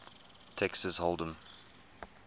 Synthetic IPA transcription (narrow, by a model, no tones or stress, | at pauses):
t̪ʰɛksəzholˠd̪ə̃m